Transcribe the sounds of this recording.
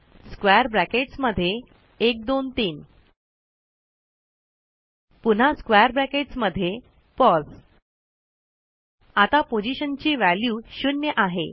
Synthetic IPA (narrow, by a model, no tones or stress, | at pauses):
skʋajəɾbɾækeʈsməd̪ʱːje | ek̚d̪ont̪iːn | pun̤askʋajəɾbɾækeʈsməd̪ʱːje | pɔs | at̪apod͡ʑiɕənt͡ɕiːʋæljuːɕunjəʔaɦe